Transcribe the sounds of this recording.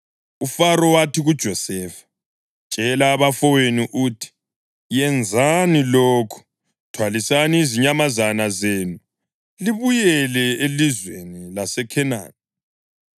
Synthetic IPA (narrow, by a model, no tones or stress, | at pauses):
ufaɾɔwatʰiɣud̥ʒ̥ʱɔsɛfḁ | t͡ʃʼɛlaːβafɔweniʔutʰi̥ | jɛnd͡zʱaniloːkʰu̥ | tʰwalisaniːziɲamazanazeːnu | liβujɛlɛelizwenilasɛkʰɛna̰ːn